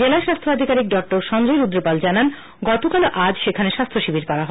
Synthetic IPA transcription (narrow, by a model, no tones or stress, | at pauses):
d͡ʑelaeʃast̪ʰoad̪ʱikaɾik̚ɖɔk̚ʈoɾʃɔndojɾud̪ɾopald͡ʑanan | ɡɔt̪okaloʔad͡ʑʃekʰaneʃast̪ʰoʃibʱiɾkɔɾaɦɔ